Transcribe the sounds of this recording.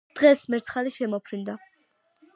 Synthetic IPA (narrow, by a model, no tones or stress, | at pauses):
d̪̥ʁɛsmɛɾt̪sʰχaliʃɛmɔpʰɾind̪a